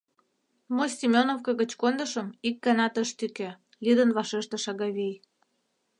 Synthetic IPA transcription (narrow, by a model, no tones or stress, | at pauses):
mosʲimʲonofkɑɣə̆t͡ɕkond̪əʃə̆mik̚ɡɑnɑt̪əʃt̪yke | lid̪ə̆nβɑʃeʃt̪ĕʃɑɣɑβej